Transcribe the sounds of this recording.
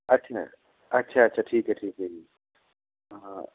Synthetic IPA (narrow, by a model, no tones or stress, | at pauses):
ɐtt͡ʃʰa̰ | ɐtːʃʰaɐtːt͡ʃʰaʈʰiːkeʈʰiːkei